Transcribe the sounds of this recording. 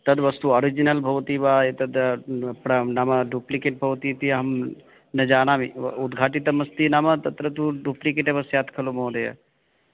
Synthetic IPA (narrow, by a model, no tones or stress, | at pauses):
t̪ɐd̪ʋɐst̪uoːɾid͡ʒinɐlbʱɐʋt̪ibaːet̪ɐd̪pɾɐnamɐɖuplikeʈ̚bʱɐʋt̪it̪iɦɐm | nɐd͡ʒaːnaːmiud̪ɡʱaːʈit̪ɐmɐst̪inamɐt̪ɐt̪ɾɐt̪uɖuplikeʈebɐsjaːt̪ʰkʰɐlumõːd̪ɐjɐ̰